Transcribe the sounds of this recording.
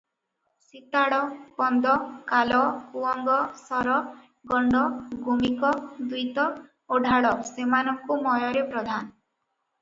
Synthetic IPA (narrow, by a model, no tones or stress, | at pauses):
sit̪aɽɔbɔnd̪ɔkalɔkuɔŋɡɔsɔɾɔ | ɡɔɳɖɔɡʱumikɔd̪ujt̪ɔ | oɖʱaɽɔsemanɔŋkumɔjɔɾepɾɔd̪ʱan